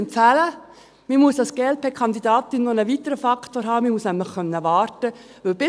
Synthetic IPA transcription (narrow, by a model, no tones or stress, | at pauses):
ntfælə | mɪmuəsd̥ɑsɡ̥ɛl̚pʰɛkʰɑnd̪idɑːt̪ɪnːonəʋitəɾəfɑkʰtoːɾɦɑːmɪmuəsnæmləχkœnːəʋɑːɾtə | ʋɵlb̥ɪ